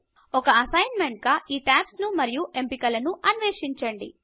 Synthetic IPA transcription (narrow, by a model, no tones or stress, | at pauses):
ɔkɐɐsɐjnme̞ɳʈ̚ɡaːʔiːʈaːpsnumɐɾijuʔe̞mpikɐlɐnuʔɐnʋeːʂiɲt͡ʃɐɳɖḭ